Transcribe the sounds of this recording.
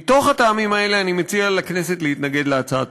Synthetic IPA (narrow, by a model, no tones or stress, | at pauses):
t̪o̞χhat̪aːmimae̞le̞animet͡sialakne̞set̪leit̪naɡe̞dleat͡saa̰t